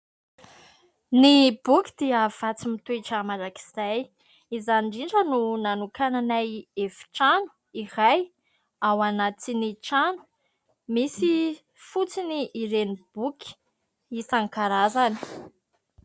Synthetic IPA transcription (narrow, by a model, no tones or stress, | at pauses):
nibukʲi̥d̪̥iəv̥at͡simit̪ueʈ͡ʂəmaɾaki̥z̥aj | izaniɳɖ͡ʐiɳʈ͡ʂənunanukananajefi̥ʈ͡ʂanu̥ | iɾaj | awanat͡siniʈ͡ʂanu̥ | misi | fut͡siniʔːɾenib̥ukʲi̥ | isaŋkaɾazani̥